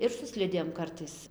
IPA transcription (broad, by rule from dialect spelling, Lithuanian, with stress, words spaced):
ɪr sʊ ˈsʲlʲɪdʲeːm ˈkɐrtɐɪs